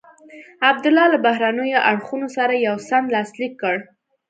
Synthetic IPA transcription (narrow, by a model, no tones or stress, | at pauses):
ab̚d̪ʊlɑlabahɾanəjoʔaɽxunosaɾajawsand̪lɑslikːəɽ